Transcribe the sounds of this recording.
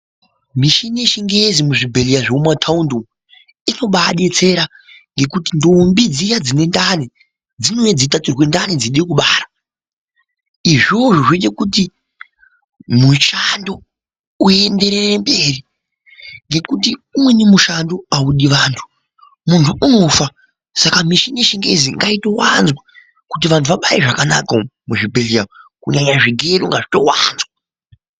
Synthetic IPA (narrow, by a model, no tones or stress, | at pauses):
miʃinieʃiŋɡezimuʐibʱe̞lijaʐeumatʰaundo | ino̞ɓaɗe̞t͡se̞ɾa | ŋɡe̞kutindoːmbid͡zijad͡zine̞ndani | d͡zino̞jed͡zitatirwe̞ndanid͡ziɗekuɓaːra | iʐoʐoʐenekuti | muʃando̞ | ue̞nde̞ɾe̞rembe̞ːri | ŋɡe̞kutiumwe̞nemuʃandoauɗiʋaːntʰu̥ | muntʰuʔuno̞fa | sakamiʃiniʃiŋɡe̞ziŋɡaito̞wanzwa | kutiʋantʰuʋaɓaiʐakanakamuʐibʱeliamkuɲaɲaʐiɡʱe̞luŋɡaʐito̞wa̰ːnzwa